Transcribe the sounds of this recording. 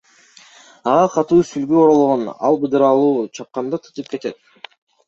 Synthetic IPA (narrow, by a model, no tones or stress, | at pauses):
ɑʁɑqʰɑt̪uːsylɡyoɾolˠoʁonɑ̰lˠbɯd̪ɯɾɑlˠuːt͡ʃʰɑp̚qɑnd̪ɑt̪ʰɯ̥t̪ɯp̚ke̞t̪e̞t̪̚